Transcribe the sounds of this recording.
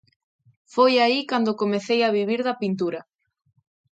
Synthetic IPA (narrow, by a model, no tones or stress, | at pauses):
fojaikand̪okomeθejaβiβiɾðɐpint̪uɾɐ